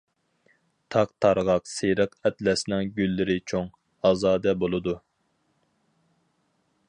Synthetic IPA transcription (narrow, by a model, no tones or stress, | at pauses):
t̪ʰɑq̚t̪ʰɑɾʁɑqseɾəqɛt̪lɛsnɪŋɡʲylːɪɾɪt͡ʃʰoŋ | ɑːzɑːd̪ɛbolˠɨd̪u